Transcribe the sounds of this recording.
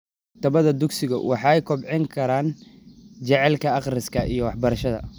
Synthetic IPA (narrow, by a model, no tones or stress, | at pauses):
t̪ʰɐβɐðɐd̪ʊɡsɪɣɐ̰wʔɑħɑjkʰɔbʕɪŋkʰɐɾaːn | t͡ʃɛʕɛlkʰɐɑqrɪskʰɐʔijɞwɑħbɐɾɐʃɐðɐ̰